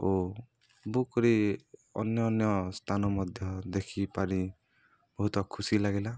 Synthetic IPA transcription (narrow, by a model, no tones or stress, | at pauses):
o | bukɔɾiɔ̰njɔːnjɔst̪ʰanɔmɔd̪ʱjɔd̪ekʰipaɾi | bɔɦut̪ɔkʰusilaɡila